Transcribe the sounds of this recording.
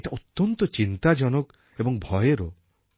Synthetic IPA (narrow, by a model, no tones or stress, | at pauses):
eʈaʔut̪ːɔnt̪ɔt͡ʃint̪ad͡ʒɔnɔk | ebɔŋbʱɔjeɾɔ